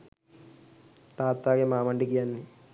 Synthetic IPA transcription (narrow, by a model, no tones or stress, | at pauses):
t̪aːt̪ːaːɡemaːmɐɳɖikːijanːi